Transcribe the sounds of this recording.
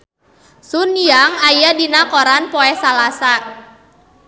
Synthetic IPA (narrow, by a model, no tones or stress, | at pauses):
sunijaŋajadinakɔɾanpɔɛsalasa